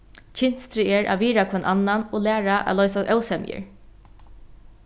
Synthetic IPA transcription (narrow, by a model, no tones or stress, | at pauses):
t͡ʃʰɪn̥st̪ɾɪɛɹʔa̰ʋiːɾakʰvɔnʔanːanɔlæːɹaʔa̰lɔʏjsasœwsɛmjɪ̰ɹ